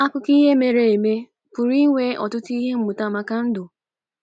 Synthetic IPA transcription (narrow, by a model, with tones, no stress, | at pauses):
a˦kʊ˦ki˦ɦe˦me˨ɾe˨e˨me˦ | pʊ˨ɾi˦ŋʷe˦ʔɔ̰˨tʊ˦ti˦ɦe˦m̩˦mʊ˨ta˦˨ma˨ka˦n̩˦dʊ˨